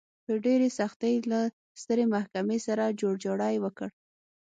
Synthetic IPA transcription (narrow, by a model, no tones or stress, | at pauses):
d̪əɖeɾesaxt̪əjla | st̪əɾemahkamesaɾad͡ʒoɽd͡ʒoɽɑjwəkəɽ